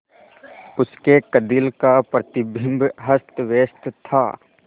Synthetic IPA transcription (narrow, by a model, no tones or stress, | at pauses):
ʊskekəd̪ilkapɾət̪ɪbʱɪ̃mbɦəst̪ʋeːst̪t̪ʰa̰ː